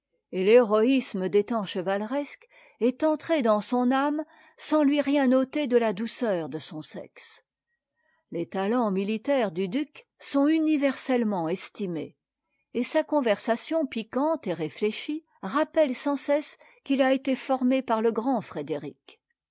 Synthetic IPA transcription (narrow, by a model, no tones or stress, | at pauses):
eleʁɔisməd̪et̪ɑ̃ʃəvalʁɛsk | ɛt̪ɑ̃t̪χed̪ɑ̃sɔ̃nam | sɑ̃lɥiʁjɛ̃not̪ed̪əlad̪usœːʁd̪əsɔ̃sɛ̰ks | let̪alɑ̃milit̪ɛʁd̪yd̪yk | sɔ̃ynivɛʁsɛlmɑ̃ɛst̪imḛː | sakɔ̃vɛʁsasjɔ̃pikɑ̃t̪eʁefleʃi | ʁapɛlsɑ̃sɛs | kilaet̪efɔʁmepaʁləɡʁɑ̃fχed̪eʁḭk